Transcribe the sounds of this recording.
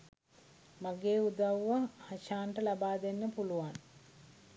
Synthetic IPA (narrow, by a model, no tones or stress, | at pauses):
maɡeːud̪aʋʋahɐʃaːɳʈəlabaːd̪enːəpuluʋan